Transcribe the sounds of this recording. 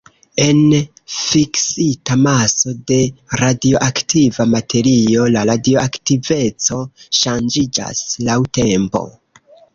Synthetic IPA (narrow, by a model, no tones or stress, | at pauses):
e̞n | fiksitamaso̞de̞ɾadio̞ʔaktivamatʰe̞ɾio̞laɾadio̞aktive̞t͡so̞ʃand͡ʒid͡ʒa̰slawte̞mpo̞̰